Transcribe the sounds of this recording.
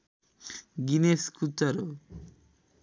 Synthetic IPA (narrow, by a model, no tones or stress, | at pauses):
ɡineskut̪ːaɾo